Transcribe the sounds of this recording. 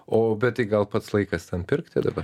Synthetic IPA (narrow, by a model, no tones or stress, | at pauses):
oːbʲɛt̪̚t̪ɐɪɡɐlˠpɐt̪slˠɐɪkɐst̪ʲɛnpʲɪɾkt̪ʲɪd̪ɐbɐ